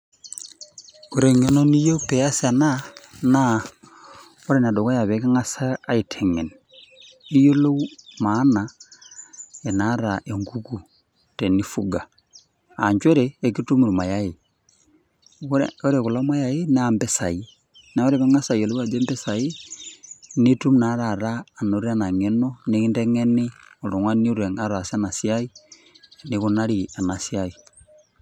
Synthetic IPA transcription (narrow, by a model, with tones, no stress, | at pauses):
o˨ɾe˨ŋe˨no˦ni˦jo˦pɛ˨a˦sa˨na˦na˦ | ɔ˦ɾɛ˦˨n˨a˨dɔ˨ka˦ja˨βɛ˨˦ke˦ŋa˦saː˦i˨tʰɛ˨ŋɛ˨n | i˦jo˦lo˦ma˨˦na˨ | ɛ˨na˨˦ɾa˨ʔe˨ŋɡu˦ku˨ | tɛ˨ni˦fu˦ɡa˨ | a̰˨ɲt͡ʃwɛ˦ɾɛː˨ki˦tu˦mu˨ɾma˨ja˦jɪ˨ | o˦ɾe˨ku˨la˦mwa˦ja˨je˦nambɛ˦sa˨i˦ | na˨o˦ɾe˨βe˦ŋa˦sa˨io˨li˦wa˨d͡ʒe˦mbɛ˦sa˨i˦ | ni˦tu˦mna˦ɾa˨ɾaː˨noɾi˦a˦na˨ŋe˦no˦ne˦i˦nde˦ŋeni˦o˨lu˨ŋwa˦ni˦u˦ɾe˨ŋa˦ɾa˨sa˦na˨sjai˦ | niku˦na˦ɾia˨na˨sjai